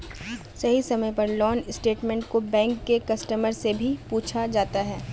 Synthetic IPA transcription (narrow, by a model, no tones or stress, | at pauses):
sɐɦisɐməjpɐɾlɔːnɪsʈeːʈmɛ̃ːɳʈkobɛ̃ːŋkːekɐsʈəməɾsebʱipuːt͡ʃʰad͡ʒaːt̪aɦɛː